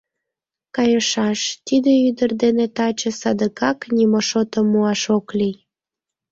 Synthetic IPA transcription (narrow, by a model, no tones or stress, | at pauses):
kɑjəʃɑʃt̪id̪eyd̪ərd̪enet̪ɑt͡ɕəsɑd̪əkɑknʲimoʃot̪əmːuɑʃoklij